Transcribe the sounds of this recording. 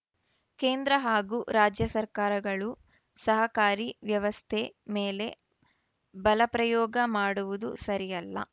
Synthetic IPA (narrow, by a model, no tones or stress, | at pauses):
keːnd̪ɾɐɦaːɡuːɾaːd͡ʒjɐsɐɾkaːɾɐɡɐɭu | sɐɦɐkaːɾiʋjɐʋɐst̪ʰemeːle̞ | bɐlɐpɾɐjɔːɡɐmaːɽuʋud̪ṵsɐɾijɐlːɐ̰